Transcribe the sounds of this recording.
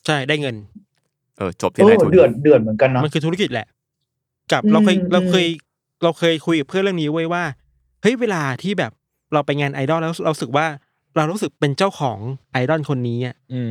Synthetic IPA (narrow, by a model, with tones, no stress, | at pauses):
t͡ɕʰa˥˩jdaː˥˩jŋɤ˧n | ʔɤː˧t͡ɕo˨˩p̪̚ʰiɤː˦˧dɯ˨˩ət̪̚dɯ˨˩ət̪̚mɯ˩˦nka˧nːɔ˦ma˧nkʰɯː˧t̪ʰu˦˥ki˨˩t̪̚lɛ̰˨˩ʔ | ka˨˩p̚ɾa˧kʰːjɾa˧kʰɤː˧j | ɾa˧wkʰɤː˧jkʰu˧jka˨˩pʰɯ˥ənɾɯ˥˩əŋniː˦˥wu˥˩əjwaː˥˩ | hɤ˦˥jweː˧laː˧t̪ʰiː˥˩bɛː˨˩p̚ | ɾa˧wpa˧jŋaː˧nʔaː˧jdɔ˥˩nlaː˦˧ɾu˥˨˩ɾa˧ɾuː˦˥sɯ˨˩k̚waː˥˩ | ɾa˧wɾuː˦˥sɯ˨˩k̚pe˧nt͡ɕaː˥˩wkʰɔː˩˦ŋʔa˧jdɔ˥˩nkʰo˧nːiː˦˥ʔa˨˩ʔː